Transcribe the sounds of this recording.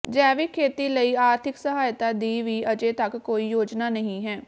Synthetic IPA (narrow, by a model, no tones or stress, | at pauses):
d͡ʒɛːʋiːkʰeːt̪iːləiːaːɾt̪ʰɪksəɦaːjt̪aːd̪iːʋiːəd͡ʒẽːt̪əkːoːiːjoːd͡ʒnaːnəɦĩːɦɛː